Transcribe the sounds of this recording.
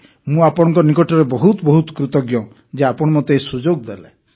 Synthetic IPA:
mũapɔɽ̃ɔŋkɔnikɔʈɔɾebɔɦut̪ɔbɔɦut̪ɔ̥kɾut̪ɔɡjɔ | d͡ʒeapɔɽ̃ɔmɔt̪esud͡ʒoɡd̪ele

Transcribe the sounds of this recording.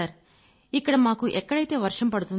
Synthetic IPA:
ɐɾ | iːkːɐɽemaːkuʔɛkːɐɽɐjt̪ːeʋɐɾʂɐmpɐɽut̪ːu

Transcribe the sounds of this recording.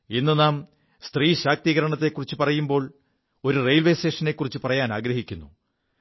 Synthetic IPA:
inːɨnaːm | st̪riːɕaːk̚t̪iːɣɐɾɐɳɐt̪ːe̞kːurit͡ɕːupɐrɐjumbo̞ːɭ | o̞ɾurejlʋeːse̞ːʂɐne̞kːurit͡ɕːɨpɐrɐjaːnaːɡɾɐɦikʲːunːu

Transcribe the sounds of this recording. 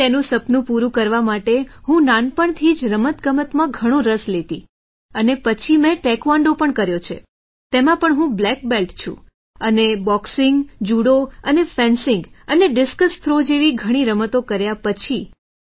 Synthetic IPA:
t̪enũsəpnũpuɾũkəɾʋamaʈeɦũnanpəɳt̪ʰid͡ʒɾəmət̪ɡəmət̪mãɡʱəɽ̃õɾəslet̪ḭ | ənepət͡ʃʰimẽʈɛkʋaɳɖopəɳkəɾjot͡ʃʰḛ | t̪emãpəɳɦũblɛk̚belʈt͡ʃʰṵ̃ | ənebɔksɪŋɡd͡ʒuɽoənefɛ̃nsɪŋɡəneɖɪskəst̪ʰɾod͡ʒeʋiɡʱəɽ̃iɾəmət̪okəɾjapət͡ʃʰi

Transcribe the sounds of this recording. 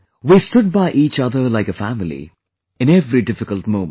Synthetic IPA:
ʋiːsʈʊɖ̚baɪʔiːt͡ʃʌd̪ə˞laɪkəfæmɪlḭ | ɨ̃nɛvɾiɖɪfɪkəlʈ̚mõʊ̃mə̃

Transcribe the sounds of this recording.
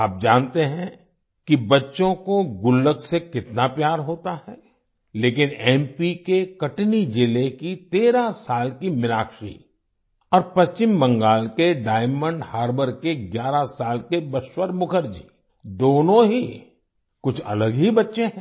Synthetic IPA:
aːp̚d͡ʒaːnt̪eɦɛ̃ | kibɐtːʃõkoɡʊlːəksekɪt̪napjaːɾɦoːt̪aɦɛ | leːk̬ɪnɛ̃ːmpikekɐʈnid͡ʒɪlekit̪eːɾasaːlkimɪlaːkʃḭ | ɔːɾpɐst͡ʃɪmːɐ̃ŋɡaːlkeɖaːɪmə̃ɳɖhaːɾbəɾkeɡjaːɾasaːlkebɐʃwəɾmʊkʰəɾd͡ʒḭː | d̪oːnõɦi | kʊt͡ʃʰɐ̰ləɡɦibɐtːʃeɦɛ̃

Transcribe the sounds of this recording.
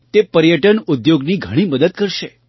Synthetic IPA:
t̪epəɾjəʈənud̪joɡniːɡʱəɽ̃iməd̪əd̪̚kəɾʃe

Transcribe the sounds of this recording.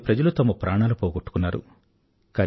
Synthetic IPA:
pɾɐd͡ʒɐlut̪ɐmɐpɾʔaːɳaːlupɔːɡoʈːu̥kunːaːɾṵ | kɐ

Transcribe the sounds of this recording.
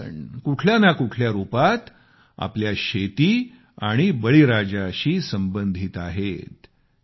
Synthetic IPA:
ɳkuʈʰljanakuʈʰljaɾupat̪ | a̰pljaɕet̪iː | aɽ̃ibəɭiɾad͡ʑaɕiːsəmbənd̪ʱiːt̪aɦet̪

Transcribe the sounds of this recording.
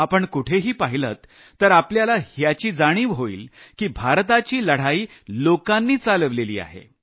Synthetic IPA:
apəɳkuʈʰeɦiːpaɦilət̪ː | əɾapljalahjat͡ɕiːd͡zaɽ̃iːʋɦoḭːlkiːbʱaɾt̪at͡ɕiːləɽ̤aiː | lokãnːiːt͡saləʋlelḭːa̰ɦḛ

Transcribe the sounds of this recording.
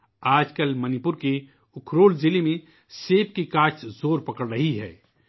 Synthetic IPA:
aːd͡ʒkəlmɐnipʊɾke | ʊkʰɾoːlzɪlimẽ | seːp̚kikaːt͡ʃʰzoːɾpɐkəɽɾɐɦiɦɛ̰ː

